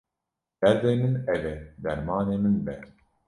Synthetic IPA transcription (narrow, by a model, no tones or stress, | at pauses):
bɛɾd̪eːmɨnɛvɛd̪ɛɾmaːneːmɪnbɛ